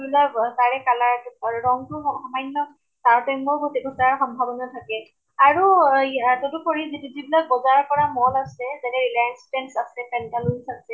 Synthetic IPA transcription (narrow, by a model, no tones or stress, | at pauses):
ibilaktaɹɛkalaɹtʊaɹuɹɔŋtʊɔxɔmajnːɔ | taɹtɔjmmɔɹɡotiɡʱɔzaɹxɔmbʱabɔnatʰakɛ | aɹu | totukoɹizitizibilak̚bɔzaɹkɔɹamɔlasɛzatɛɹilajanstɛnsasɛpɛntalunsasɛ